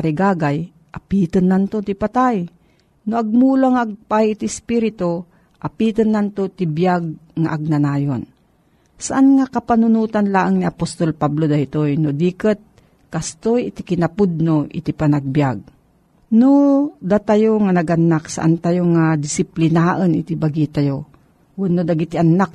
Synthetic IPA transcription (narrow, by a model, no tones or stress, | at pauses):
aɾɪɡaːɡaj | ʔapit̪ənːant̪ot̪ɪpat̪aj | noʔaɡ̚mulaŋaʔːɡ̚pajɪt̪ɪspiɾɪt̪o | ʔapit̪ənːant̪ot̪ɪbjaɡ̚ŋa̰ʔaɡ̚nanaːjon | saʔanŋakapanʊnuːt̪anlaʔaŋniʔapost̪olpablod̪ajt̪ojnod̪ikət̪̚ | kast̪ojɪt̪ɪkɪnapʊd̪̚noʔɪ̰t̪ipanaɡ̚bjaɡ̚ | nod̪at̪ajoŋanaɡanːaksa̰ʔant̪ajoŋad̪ɪsɪplɪnaʔənɪt̪ibaɡit̪ajo | wanːod̪aɡit̪iʔanːak̚